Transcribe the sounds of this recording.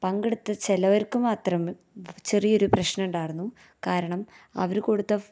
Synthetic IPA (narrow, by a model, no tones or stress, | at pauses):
pɐŋɡeɽut̪ːɨt͡ɕelɐʋɐrkɨmaːt̪rɐm | t͡ɕe̞rijo̞ɾuprɐɕnɐuɳɖaːjɾunːu | kaːɾɐɳɐm | ɐ̰ʋɐɾuko̞ɽut̪ːɐ